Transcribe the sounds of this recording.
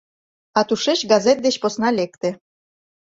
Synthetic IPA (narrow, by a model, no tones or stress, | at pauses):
ɑt̪uʃet͡ɕɡɑzet̪̚d̪et͡ɕposnɑlek̚t̪ĕ